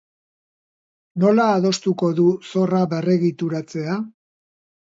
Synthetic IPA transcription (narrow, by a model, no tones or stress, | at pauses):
no̞laːðo̞st̪uko̞ðuso̞raβereɣit̪uɾat͡se̞a